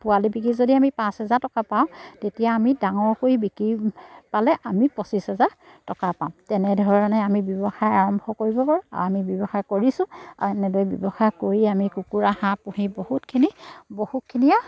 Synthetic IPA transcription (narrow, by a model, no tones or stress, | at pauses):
pʊalibikizodiamipãshɛzaɹtɔkapaʊ̃tetijaːmidaŋɔɹkoibikɹipalɛʔamipɔsisɛza | tɔkapaʊ̃tɛnɛdʱɔɔɹɔnajamibjɔbɔxajaɹɔmbʱɔkoɹibɔpaɹũa̰amibjɔbɔxakoɹisʊ̃a̰ɛnɛdɔjbjɔbɔxakoɹiamikukuɹahãpuhibɔhutkʰinibohut̚kʰinija